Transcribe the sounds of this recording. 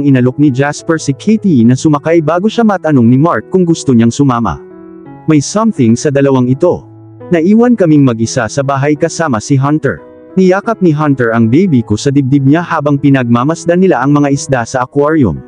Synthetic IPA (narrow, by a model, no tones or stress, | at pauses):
ɐŋʔɪnɐlok̚nid͡ʒaspɛɹsɪkʰit̪inɐsʊmɐkajbaːɡoʃamɐʔɐt̪ɐnoŋnɪmaɹk̚kːʊŋɡʊst̪oɲaŋsʊmaːmɐ̰ | mɐjsɐmθɪŋsɐd̪ɐlɐwaŋɪt̪o̞ | nɐʔiːwɐnkɐmiŋmɐɡ̚ʔɪsasɐbaːɦɐjkɐsaːmɐsɪɦɐnt̪ɛ̰ɹ | nɪjaːkɐp̚niɦɐnt̪ɛɹɐŋbɛjbikʊsɐd̪ɪb̚d̪ɪb̚ɲahaːbɐŋpɪnɐɡ̚mamɐsd̪anɪlaʔɐŋmɐŋaʔɪsd̪asɐʔɐkwaɹjʊ̰m